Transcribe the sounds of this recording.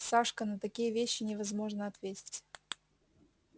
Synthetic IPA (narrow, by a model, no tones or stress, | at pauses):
saʂkənət̪ɐkʲijəvʲeɕːɪnʲɪvɐzmo̞ʐnəɐt̪vʲetʲɪ̥tʲ